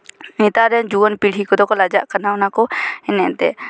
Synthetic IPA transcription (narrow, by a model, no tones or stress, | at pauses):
nit̪aɾɛnd͡ʒuənpiɽ̤ikɔd̪ɔkɔlad͡ʒa̰ʔkənaʊnakɔɪnɛʔt̪ɛ